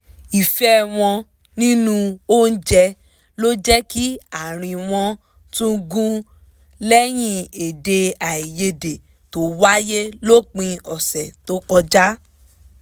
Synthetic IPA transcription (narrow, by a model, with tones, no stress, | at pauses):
i˨fɛ˦w̃ɔ̃˧ | nĩ˦nũ˧o˦n̩˦d͡ʒɛ˧ | lo˦d͡ʒɛ˦ki˦a˨ɾ̃ĩ˧w̃ɔ̃˧ | tũ˦ɡũ˦ | lɛ˦j̃ĩ˦˨e˨de˧a˨i˨je˧de˨ | to˨˦wa˦je˦lo˦˨k͡pĩ˧ɔ˨sɛ˨to˨˦kɔ˧d͡ʒa˦